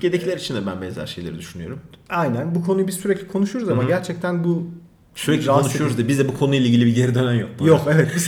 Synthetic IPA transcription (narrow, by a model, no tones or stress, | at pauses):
ɟed̪ecʰilʲæɾit͡ʃʰind̪ɛbænbɛnzæ̰ɾʃe̞jlʲeɾid̪yʃynyjo̞̰ɾumajnænbukʰo̞nujubizsyɾɛclʲikʰo̞nuʃuɾuzamaɟæɾt͡ʃʰɛc̚t̪ʰænbu | syɾɛclʲaonuʃeuɾuzibizd̪ɛbukʰo̞nujlʲˠeiːɟilʲibiɟeɾid̪ø̞næmjok̪̚jokevɛt̪biz